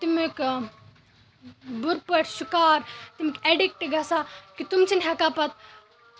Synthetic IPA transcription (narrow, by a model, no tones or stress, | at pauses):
t̪imik | buɾpɐʈʰsukaːɾt̪imikeɖik̚ʈɡɐsakit̪umt͡sʰinɦɐkaːpɐt̪̚